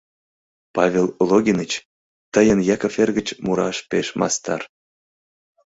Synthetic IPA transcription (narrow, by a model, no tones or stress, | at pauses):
pɑvʲellˠoɣʲinət͡ɕ | t̪əjənjɑkəferɣə̆t͡ɕmuɾɑʃpeʃmɑ̰st̪ɑ̰r